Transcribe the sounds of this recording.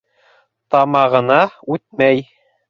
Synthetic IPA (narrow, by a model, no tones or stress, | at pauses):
t̪ɑmɑʁɤ̆nɑʉt̪̚mæj